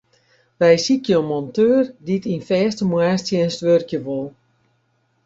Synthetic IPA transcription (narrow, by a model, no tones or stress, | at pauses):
ʋɛjsikjomɔntøːrditinfɛːstəmwaːstjəɛnstʋørkjəʋolˠ